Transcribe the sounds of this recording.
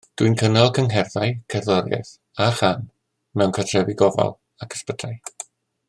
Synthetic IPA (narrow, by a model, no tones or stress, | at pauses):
d̥winkʰənɔlˠkʰəŋɦɛrðajkʰɛrðɔɾjɛ̰θ | aχan | mɛwnkʰatʰrɛviɡɔva̰lˠ | akʰə̥spətʰaj